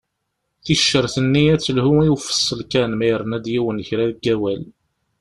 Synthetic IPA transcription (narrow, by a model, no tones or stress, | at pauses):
θiʃːəɾθənːiæt͡sːəlhuiwfə̥sˤːəlkænmæjɾˤənæd̪jiwənçɾæðəɡːæwæl